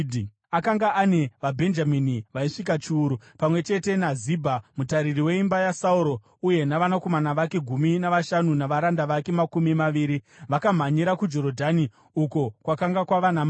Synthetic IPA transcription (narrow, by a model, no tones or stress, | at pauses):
akaŋɡaʔane̞ʋabʱe̞nd͡ʒaminiʋaiʂik̬at͡ʃiːɾu | pamwe̞t͡ʃe̞te̞nazibʱamutaɾiriwe̞imbajasauɾo̞ | uje̞naʋanako̞manaʋake̞ɡʱuminaʋaʃanunaʋaɾandaʋake̞makumimaʋiːɾiʋakam̤aɲiɾakud͡ʒo̞ɾo̞dʱani | uko̞kwakaŋɡakwaʋanam